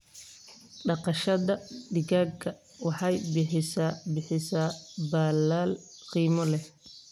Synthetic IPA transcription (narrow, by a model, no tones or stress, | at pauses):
ɖɑqɑʃɐðɐɖɪɣaːɡkʰɐ | wɑħɑjbɪħɪsabɪħɪsaːbaːlaːl | qiːmɔlɛh